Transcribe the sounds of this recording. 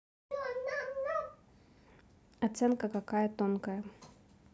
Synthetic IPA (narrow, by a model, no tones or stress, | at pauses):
ɐt̪sɛnkəkɐkajət̪onkəjə